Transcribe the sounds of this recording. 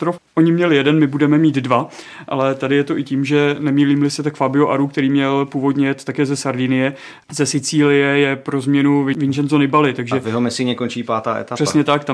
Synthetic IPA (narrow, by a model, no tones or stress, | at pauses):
t̪ɾofʔoɲɪmɲɛlɪjɛdɛnmɪbudɛmɛmiːd̪dva | ʔa̰lɛt̪adɪjɛt̪oʔɪciːmʒɛnɛmiːliːmlɪsɪt̪akfabɪoʔaɾuk̚t̪ɛɾiːmɲɛlpuːvo̞dɲɛjɛt̪t̪akɛːzɛsaɾdiːnɪjɛ | zɛsɪt͡siːlɪjɛjɛpɾo̞zmɲɛnuvɪvɪnʒɛnzonɪbalɪt̪aɡʒɛvɪɦomɛsɪɲɛkont͡ʃiːpaːt̪aːʔɛ̰t̪ar̥ɛsɲɛt̪ak̚t̪a